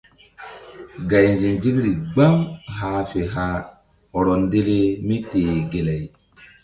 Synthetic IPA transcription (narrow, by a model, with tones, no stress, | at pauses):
ɡa˨jnd͡ʒe˨nd͡ʒi˦kɾi˨ɡ͡ba˦mɦa˨˦fe˨ɦa˦ | ho˨ɾo˨nde˦le˦mi˦teː˨ɡe˨le˨j